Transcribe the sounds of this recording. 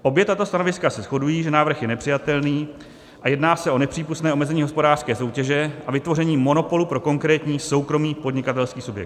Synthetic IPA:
ʔo̞bjɛt̪at̪o̞st̪ano̞vɪskasɛsxo̞dujiːʒɛnaːvr̩xjɛnɛpr̝̥ɪjat̪ɛlniː | ʔajɛdnaːsɛʔo̞nɛpr̝̥iːpust̪nɛːʔomɛzɛɲiːɦospo̞daːrskɛːso̞wcɛʒɛʔavɪt̪vo̞rɛɲiːmo̞no̞po̞lupɾo̞ko̞ŋkɾɛːt̪ɲiːso̞wkɾo̞miːpo̞dɲɪkat̪ɛlskiːsubjɛ̰k̚t̪

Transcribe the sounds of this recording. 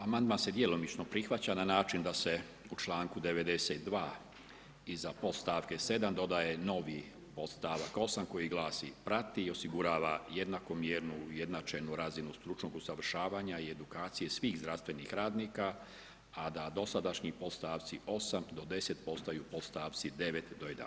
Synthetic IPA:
amand̪manse̞d̪jelo̞mit͡ʃnopɾixʋat͡ɕananaːt͡ʃind̪ase̞ | ut͡ʃlˠaːŋkud̪e̞ʋe̞d̪e̞set̪̚d̪ʋaː | izapo̞t̪st̪aːʋke̞se̞d̪amd̪o̞d̪aje̞no̞ʋi | po̞t̪st̪aːʋako̞samko̞jiɡlˠaːsḭpɾat̪iːo̞siɡuɾaːʋajed̪nako̞mjeːɾnuje̞d̪nat͡ʃenuɾazinust̪ɾut͡ʃnoɡusaʋr̩ʃaːʋaːɲaie̞d̪ukaːt̪sije̞sʋiːɣzd̪ɾast̪ʋe̞nixɾaːd̪nika | ad̪ad̪o̞sad̪aʃɲipo̞t̪st̪aːʋt̪siʔo̞samd̪o̞d̪e̞se̞t̪po̞st̪ajuːpo̞t̪st̪aːʋt̪sid̪e̞ʋe̞t̪d̪o̞ed̪a̰

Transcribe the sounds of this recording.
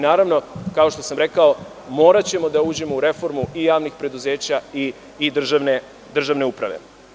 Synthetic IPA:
naːɾaʋno̞kao̞ʃt̪o̞samɾe̞kao̞ | mo̞ːɾat͡ɕe̞mo̞d̪auːd͡ʑe̞mo̞uɾe̞fo̞ɾmuʔijaːʋnixpɾe̞d̪uzeːt͡ɕaiː | d̪r̩ʒane | d̪r̩ʒaʋne̞upɾa̰ʋḛ

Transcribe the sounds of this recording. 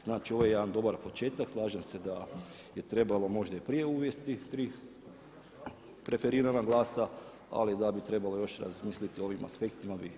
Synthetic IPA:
z̥naːt͡ʃio̞ʋojjed̪and̪o̞baɾpo̞t͡ʃe̞ːt̪akslˠaːʒamse̞d̪a | je̞t̪ɾe̞balo̞mo̞ʒd̪aipɾije̞uːʋje̞st̪it̪ɾiː | pɾe̞feɾiːɾanaɡlˠaːsa | a̰lid̪abit̪ɾe̞balo̞jo̞ʃɾa̰zmiːslit̪io̞ʋimʔa̰spe̞k̚t̪imabi

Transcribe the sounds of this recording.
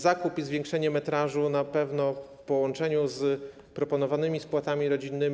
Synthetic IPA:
zakupizvʲjɛ̃ŋkʂɛɲɛmɛt̪ɾaʐunapɛvnɔf | pɔwɔnt͡ʂɛɲuz | pɾɔpɔnɔvanɘmʲispwat̪amʲiɾɔd͡ʑinːɘm

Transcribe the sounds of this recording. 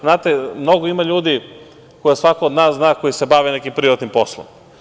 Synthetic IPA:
znaːt̪emno̞ɡoimaʎuːd̪i | kojesʋakoːd̪naːsznaːko̞jisebaʋenekimpɾiɾat̪nimpo̞slˠo̰m

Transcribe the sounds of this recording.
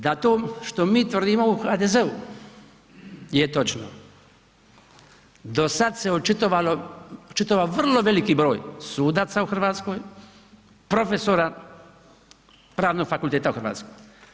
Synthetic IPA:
d̪at̪oːʃt̪o̞miːt̪ʋr̩d̪imo̞uxad̪ezeu | jet̪o̞t͡ʃno̰ | d̪o̞sad̪se̞ot͡ʃit̪oʋaloot͡ʃit̪oʋaʋr̩lo̞ʋe̞likibɾo̞ːjsuːd̪aːt̪sauxr̩ʋaːt̪sko̞j | pɾo̞fesoɾa | pɾaːʋno̞ɡ̥fakulˠt̪eːt̪auxrʋa̰t̪skoj

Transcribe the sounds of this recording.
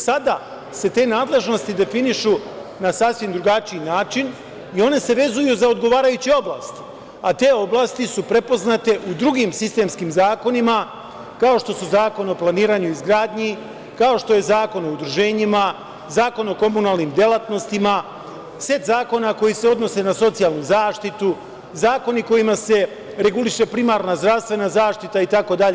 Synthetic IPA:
sad̪a | se̞t̪e̞ːnaːd̪le̞ʒno̞st̪id̪e̞finiʃu | nasasʋimd̪ɾuɡat͡ʃiinaːt͡ʃin | io̞ne̞se̞ʋe̞zujuzao̞d̪ɡo̞ʋaːɾajut͡ɕeo̞bla̰ːst̪ | at̪e̞ːo̞blˠaːst̪isupɾe̞po̞znat̪e̞ʔud̪ɾuɡiːmsist̪e̞ːmskiːmzaːko̞nima | kao̞ʃt̪o̞suzaːko̞no̞plˠaniːɾaːɲuizɡɾaːd̪ɲi | kao̞ʃt̪o̞je̞zaːko̞no̞ud̪ɾuʒe̞ːɲima | zaːko̞no̞ko̞munaːlnimd̪jelˠat̪no̞st̪ima | se̞t̪zaːko̞nako̞jiseo̞d̪no̞se̞naso̞t̪sijalˠnuzaːʃt̪it̪u | zaːko̞niko̞jimase̞ | ɾe̞ɡuliʃe̞pɾimaɾnazd̪ɾaʋst̪ʋe̞nazaːʃt̪it̪ait̪ako̞d̪aʎe

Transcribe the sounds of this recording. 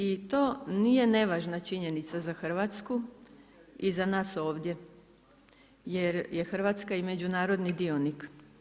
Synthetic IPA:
it̪o̞ːniːje̞ne̞ʋaːʒnat͡ʃiɲe̞nit̪sazaxr̩ʋat̪sku | izanaːso̞ːʋd̪je̞ | jeɾje̞xr̩ʋat̪skaime̞d͡ʑunaːɾo̞d̪nid̪io̞nik

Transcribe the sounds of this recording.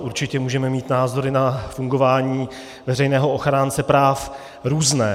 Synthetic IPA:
ʔuɾt͡ʃɪcɛmuːʒɛmɛmiːt̪naːzo̞ɾɪnafuŋɡo̞vaːɲiː | vɛrɛjnɛːɦoʔoxɾaːnt͡sɛpɾaːf | ɾuːznɛː

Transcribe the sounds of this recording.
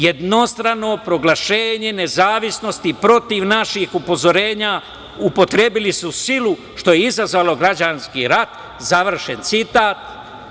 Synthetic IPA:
jed̪no̞st̪ɾano̞pɾo̞ɡlˠaʃe̞ːɲe̞ne̞zaːʋisno̞st̪ipɾo̞t̪iʋnaʃixupo̞zo̞ɾe̞ːɲa | upo̞t̪ɾe̞bilisusilu | ʃt̪o̞jeizazʋalo̞ɡɾad͡ʑanskiɾat̪ | zaʋr̩ʃent̪sit̪aːt̪

